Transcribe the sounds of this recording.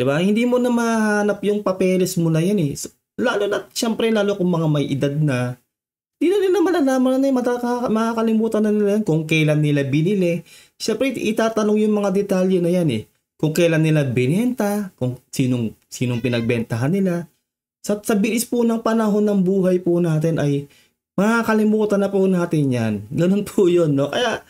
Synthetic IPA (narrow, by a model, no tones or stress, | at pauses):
d̪̥ɪbahɪnd̪iːmonɐmɐhaːnɐpjʊŋpɐpɛːlɛsmʊnɐjanɛs | laːlonɐʃɛmpɾɛlaːlokʊŋmɐŋamɐjʔɪd̪ad̪̚nɐ | hɪnd̪iːnɐnɪlɐmaɐnɐlaːmɐnɐnmɐamɐkaːkɐlɪmuːt̪ɐnːɐnɪlajankʊŋkɛlanːɪlabɪnɪlɛ | ʃɛmpɾɛʔɪt̪aːt̪ɐno̞ŋjʊŋmɐŋad̪ɛt̪aːljɛnɐjanɛ̰ | kʊŋkɛjlanːɪlabɪnɛnt̪ɐkʊŋsiːnoŋ | siːno̞ŋpɪnɐɡ̚bɛnt̪ɐɦanːɪla | sɐsɐbɪlɪspʊnɐŋpɐnɐɦo̞nːɐŋbuːɦɐjpʊnaːt̪ɛnʔɐj | mɐhaːkɐlɪmuːt̪ɐnɐpʊnaːt̪ɪnjanɡɐno̞npʰʊjonːo̞kɐjaʔ